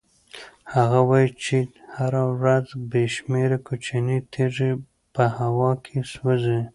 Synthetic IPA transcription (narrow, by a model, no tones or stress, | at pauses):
haɣawɑjit͡ʃehaɾawɾazbeʃmeɾakot͡ʃanit̪ʰeʐi | pəhawɑkʰeswəzi